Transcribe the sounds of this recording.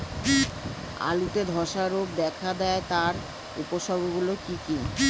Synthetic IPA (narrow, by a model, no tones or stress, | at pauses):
ki | a̰lut̪ed̪ʱɔʃaɾob̚d̪ɛkʰad̪ɛet̪aɾ | upoʃɔbʱoɡulokiki